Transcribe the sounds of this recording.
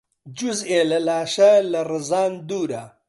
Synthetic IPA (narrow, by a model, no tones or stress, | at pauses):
d͡ʒuzelɐlaːʃɐlɐrɨzaːnd̪uːɾa